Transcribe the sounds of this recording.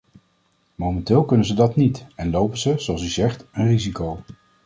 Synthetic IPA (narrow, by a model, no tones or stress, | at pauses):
mowmɛntɪːlˠkɵnənzədɑtnitɛnlowpənzəzoɑlˠsyzɛχtənrizikow